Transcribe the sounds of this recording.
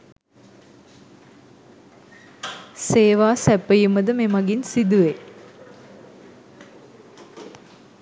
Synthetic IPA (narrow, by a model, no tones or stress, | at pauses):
seːʋaːsæpːəjuməd̪əmemaɡinsid̪uʋe